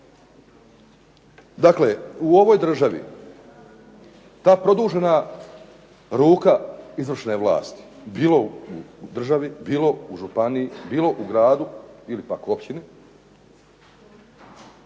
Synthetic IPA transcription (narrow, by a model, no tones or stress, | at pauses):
d̪akleuo̞ʋo̞jd̪r̩ʒaʋḭ | t̪aːpɾo̞d̪uːʒe̞na | ɾuːkaizʋr̩ʃne̞ʋlˠa̰ːst̪i̥biːlo̞ud̪r̩ʒaʋibiːlo̞uʒupanijibiːlo̞ʔuɡɾaːd̪uilipakuopʃt͡ʃini